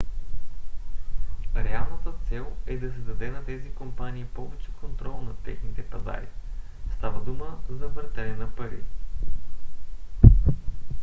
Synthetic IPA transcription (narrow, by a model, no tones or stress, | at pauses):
ɾɛalˠnɐt̪ət̪sɛlˠɛd̪ɐsɛd̪ɐd̪ɛnɐt̪ɛzikompaniːpɔvɛt͡ʃɛ̥kont̪ɾɔlˠnɐt̪ɛ̰xnit̪ɛpɐza̰ɾḭ | st̪avəd̪uməzɐvəɾt̪ɛlɛnɐpɐɾḭ